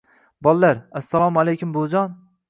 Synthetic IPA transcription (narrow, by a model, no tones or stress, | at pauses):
bɒlˠːaɾasːalˠɒmalejkʲʰʊmbod͡ʒɒn